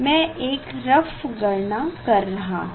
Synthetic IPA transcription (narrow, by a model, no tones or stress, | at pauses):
mɛ̃ʔeːkɾɐfɡɐɾɳakɐɾːɐɦa̰ː